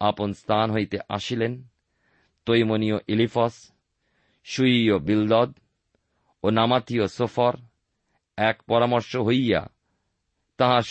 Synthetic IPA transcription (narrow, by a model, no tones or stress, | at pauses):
aponst̪ʰanɦojt̪eʔaʃilen | t̪ojmonioʔilifɔs | ʃujiobild̪ɔd̪ | onamat̪iosofɔɾ | ɛkpɔɾamɔɾʃoɦojja̰ | t̪ãɦaʃ